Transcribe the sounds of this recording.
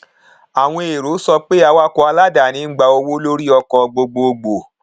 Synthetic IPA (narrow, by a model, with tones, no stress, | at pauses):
a˨w̃ɔ̃˧e˨ɾu˨˦sɔ˧k͡pe˦a˨˧wa˦kɔ˧˦a˧la˦da˦˨nĩ˨˦ɡ͡ba˧o˧wo˦lo˦ɾi˦ɔ˧kɔ˧ɡ͡bo˧ɡ͡bo˧ɡ͡bo˨